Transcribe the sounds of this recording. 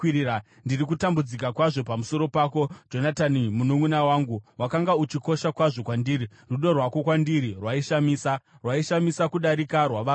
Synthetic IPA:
ndirikutambud͡zikakwaʐo̞pamuso̞ɾo̞pako̞d͡ʒo̞natanimunomunawaːŋɡuwakaŋɡaut͡ʃiko̞ʃakwaʐo̞kwandiːɾi | ruɗo̞rwako̞kwandiɾirwaiʃamiːsa | rwaiʃamisakuɗaɾikarwaʋa

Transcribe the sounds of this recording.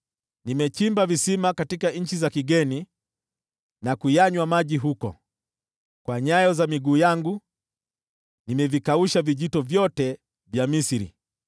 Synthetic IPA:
nimɛt͡ʃimbavisimakatikaɲ̩t͡ʃizakiɡɛni | nakujaɲwamaʄiɦukɔ̰ | kwaɲajɔzamiɡuːjaŋɡu | nimɛvikauʃaviʄitɔvjɔtɛ | vjamisiɾḭ

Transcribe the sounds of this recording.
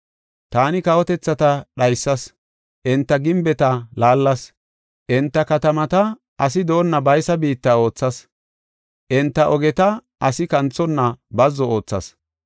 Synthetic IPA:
t̪aːnɪkɐwɔt̪ɛt͡sːɐt̪ɐɗɐjsːɐs | ʔɪnt̪ːɐɡɪmbɛt̪ɐlaːlːɐs | ʔɪnt̪ːɐkɐt̪ɐmɐt̪ɐ | ɐs̬ɪd̪o̞ːnːɐbɐjsɐbiːt̪ːɐo̞ːt͡sːɐs | ʔɪnt̪ːɐʔɔɡɛt̪ɐ | ʔɐsɪkɐnt͡sːɔnːɐbɐzːɔo̞ːt͡sːɐ̰s

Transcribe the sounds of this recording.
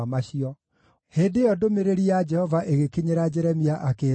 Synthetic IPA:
maɕiɔ | heːndejɔdomeɾeɾiad͡ʒɛhɔvaʔeɣekiɲeɾad͡ʒɛɾɛmiaʔake

